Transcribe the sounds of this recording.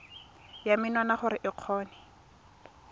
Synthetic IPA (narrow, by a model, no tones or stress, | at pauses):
jamɪnwanaχʊɾɪʔɪq͡χʰɔːnɛ